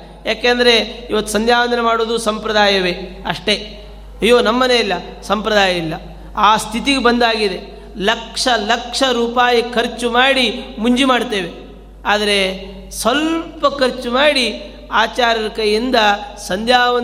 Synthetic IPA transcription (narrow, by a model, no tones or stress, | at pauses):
jaːkeːnd̪ɐɾe̞iʋɐt̪ːusɐnd̪ʱjaːʋɐnd̪ɐnemaːɽoːd̪usɐmpɾɐd̪aːjɐʋe̞ | ɐʂʈe̞ | ɐjːo̞ːnɐmːɐne̞ːilːɐ | sɐmpɾɐd̪aːjɐilːɐ | aːst̪ʰit̪iɡebɐnd̪aːɡid̪e̞ | lɐkʂɐlɐkʂɐɾuːpaːjikʰɐɾt͡ʃumaːɽimuɲd͡ʒimaːɽt̪eːʋe̞ | aːd̪ɐɾe̞ | sʋɐlpɐkɐɾt͡ʃumaːɽi | aːt͡ʃaːɾɐɾɐkɐjind̪ɐsɐnd̪jaːɐ